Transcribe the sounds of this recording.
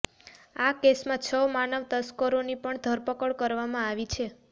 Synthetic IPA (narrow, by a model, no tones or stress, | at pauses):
akesmãt͡ʃʰəmanəʋt̪əskəɾonipəɳd̪ʱəɾpəkəɭkəɾʋamãaʋit͡ʃʰe